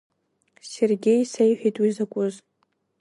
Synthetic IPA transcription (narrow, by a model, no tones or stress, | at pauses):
serɡʲe̞jsejħʷᶣijtʼwizakʷʼʊz